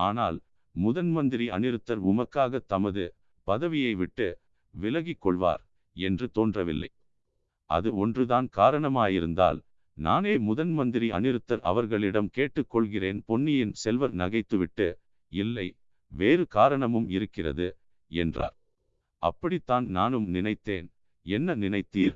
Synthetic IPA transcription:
aːnaːl | mʊðɐnmɐnd̪ɪɾiɐ̰nɪɾɯt̪ːɐɾʊmɐkːaːɣɐt̪ːɐmɐðɯ | pɐðɐʋɪjɐɪʋɪʈːɯ | ʋɪlɐɣɪkːɔɭʋa̰ːɾ | ɛndrɯt̪oːndrɐʋɪ̰lːɐ̰ɪ | ʔɐ̰ðɯɔndrɯðaːnkaːɾɐɳɐmaːjɪɾɯnd̪a̰ːl | na̰ːneːmʊðɐnmɐnd̪ɪɾiɐ̰nɪɾɯt̪ːɐɾɐ̰ʋɐɾɣɐɭɪɽɐmkeːʈːɯkːɔɭɣɪreːnpɔɳːɪjɪnsɛlʋɐɾnɐɣɐɪt̪ːɯʋɪʈːɯ | ɪlːɐɪ | ʋeːɾɯkaːɾɐɳɐmɯmɪɾɯkːɪrɐ̰ðɯ | ɛ̰ndra̰ːɾ | ʔɐ̰pːɐɽit̪ːaːnnaːnɯmnɪnɐɪt̪ːeːn | ɛnːɐnɪnɐɪt̪ːiːɾ

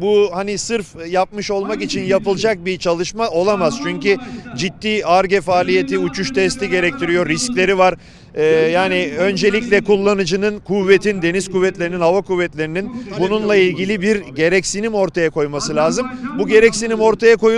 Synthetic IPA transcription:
buhanisɯɾfjap̚mɯʃo̞lˠmakit͡ʃʰinjapɯlˠd͡ʒak̚bit͡ʃʰalˠɯʃmao̞lˠamaz̥t͡ʃʰyɲcyd͡ʒit̪ːiːaɾɟefaːlʲije̞t̪ʰiut͡ʃʰuʃt̪ʰɛst̪ʰiɟe̞ɾɛc̚t̪ʰiɾijo̞ɾisclʲe̞ɾivaɾ | jaːniø̞nd͡ʒe̞lʲiclʲɛkulˠːanɯd͡ʒɯnɯnkʰuvːe̞t̪ʰind̪e̞niz̥kuvːɛt̪lʲe̞ɾininhavakuvːɛt̪lʲe̞ɾininbununlˠailʲɟilʲibiɾɟe̞ɾɛcsinimo̞ɾt̪ʰajakʰo̞jmasɯlʲaːzɯmbuɟe̞ɾɛcsinimo̞ɾt̪ʰajako̞j

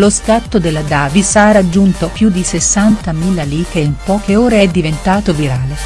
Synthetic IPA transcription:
loskat̪ːod̪elːad̪aːvisarad͡ʒːunt̪opjud̪isesːant̪amiːlaliːk̪eimpɔːkeoːɾeɛd̪ːivent̪aːt̪oviɾaːle

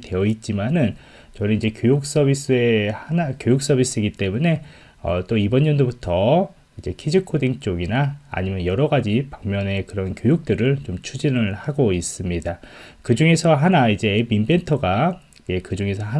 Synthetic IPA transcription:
te̞jʌit̚t͡ɕ͈imanɯn | t͡ɕʌɾiid͡ʑe̞kjojuk̚s͈ʌbis͈ɯe̞hanakjojuk̚s͈ʌbis͈ʰɯiɡit͈e̞mune̞ | ʌ̰t͈oibʌnːʌndobutʰʌ | id͡ʑe̞kʰid͡ʑikʰodiŋt͡ɕ͈oɡina̰ːɲimjʌnjʌɾʌɡad͡ʑipaŋmjʌne̞kɯɾʌnkjojuk̚t͈ɯɾɯɭt͡ɕomt͡ɕʰud͡ʑinɯɭhaɡois͈ɯmɲidakɯd͡ʑuŋe̞sʰʌɦanaid͡ʑe̞ːbimbe̞ntʰʌɡa | ɡe̞kɯd͡ʑuŋe̞sʰʌɦa

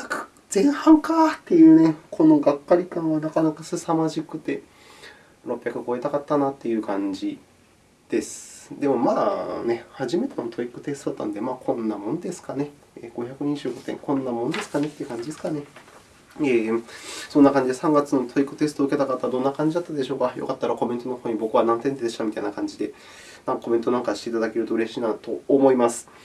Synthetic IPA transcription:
akɯ̥ | z̥ẽ̞ɰ̃hãŋkat̪ːe̞jɯ̟ːnekʰo̞no̞ɡakːaɾʲikãɰ̃βanakanakasɨsamaʑikɯ̟t̪e̞ | ɾo̞pʲjakɯ̟ko̞e̞t̪akat̪ːanat̪ːe̞jɯ̟ːkãɲd͡ʑi | d̪̥e̞sɨ̥d̪e̞mo̞maːne̞haʑime̞t̪emot̪ʰo̞ikːɯ̟̥t̪e̞sɨ̥t̪ot̪ːa̰nd̪e̞maːkʰõ̞nːamõ̞nd̪e̞sɨ̥kane̞ | eːɡ̥o̞çakɯ̟ɲʲĩʑɨ̟ːɡo̞t̪ẽ̞̰ŋkõ̞nːamo̞nd̪e̞sɨ̥kane̞t̪ːe̞iɯ̟kãɲ̟d͡ʑid̪esɨ̥kane̞ | eːsonːakãɲ̟d͡ʑid̪esãŋɡat͡sɨno̞t̪ʰo̞ikːɯ̟t̪e̞sɨ̥t̪oɯ̟ke̞t̪akat̪ːad̪o̞nːakãɲ̟d͡ʑid̪at̪ːad̪e̞ɕo̞ːkajo̰kat̪ːaɾako̞mẽ̞nt̪o̞noho̞ːɲ̟ibo̞kɯ̟βanãnt̪ent̪eːd̪e̞ɕt̪amʲit̪ainakãɲ̟d͡ʑid̪e̞ | nãŋkako̞mẽ̞nt̪o̞nãŋkaɕit̪eit̪ad̪ake̞ɾɯo̞ɯ̟ɾe̞ɕiːnat̪o̞̰ːmo̞imasɨ̥

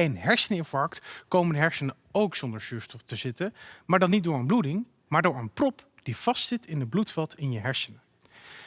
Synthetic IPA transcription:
ənɦɛɹsənɪnvɑɹktkowməndəɦɛɹsənə | owksondəɹsyːɹstɔχtəzɪtəmaːɹdɑnit̚dʊːɹənbludɪŋ | maːɹdʊːɹənprɔp | d̥iv̥ɑstsɪtɪnəd̚blutfɛlˠtʰɪnjəɦɛɹsənə

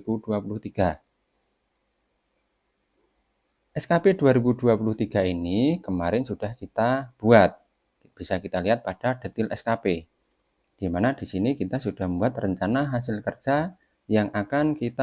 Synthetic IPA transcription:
b̥ud̥uapulʊht̪iɡ̥a | ʔɛskaped̥uaɾibuduapuluht̪iɡ̥a̤inikəmaɾɪnsud̥ahkit̪ab̥uat̪̚ | b̥isakit̪aliɦat̪̚pad̥ad̥ə̤t̪ɪlʔɛskape | ɡ̥imanad̥isinikit̪asud̥ahməmbuat̪rəɲt͡ʃanaɦas̬ɪlkərd̥d͡ʒ̥a | jaŋʔakankit̪

